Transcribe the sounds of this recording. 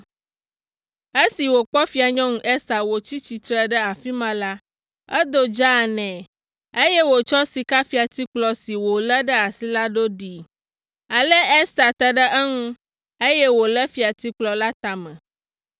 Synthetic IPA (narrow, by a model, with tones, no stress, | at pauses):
e˦si˨wo˨k͡pɔ˦fi˦a˨ɲɔ̃˦ŋũ˦ʔɛ˦st̪a˨wo˨t͡ɕi˦t͡ɕi˨t̪ɾə˦ɖə˦a˨fi˦mã˦la˦ | ə̰˦d̪o˦d͡ʒa˦˨nɛ̃˨ | e˦jɛ˦wo˨t͡ʃɔ˦si˨ka˦fi˨a˨t̪i˦k͡plɔ˦si˨wo˨lə˦ɖə˦a˨si˦la˦ɖo˦ɖi˨ | a˨lə˦ɛ˦st̪a˨t̪ə˨ɖə˦ʔə˦ŋũ˦ | e˦jɛ˦wo˨lə˦fi˨a˨t̪i˦k͡plɔ˨la˦t̪a˨mə̃˨